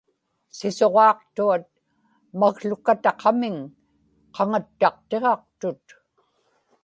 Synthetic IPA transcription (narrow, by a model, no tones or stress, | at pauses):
sɪso̞ʁɑːq̚t̪uat̪̚ | maɣɬʊkat̪ɑqʰɑmɪŋ | qɑŋat̪ːɑq̚t̪e̞ʁɑq̚t̪ʊt̪